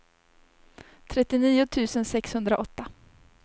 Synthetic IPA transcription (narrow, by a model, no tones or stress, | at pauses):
t̪ʰɾɛt̪ːɪniːʊt̪ʰʉ̟ːsənsɛkshɵnd̪ɾaʔɔt̪ːa